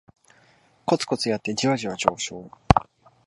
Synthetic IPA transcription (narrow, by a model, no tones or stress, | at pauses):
ko̞t͡sɨ̥ko̞t͡sɨjat̪ːe̞d͡ʑiβaʑiβad͡ʑoːɕo̞ː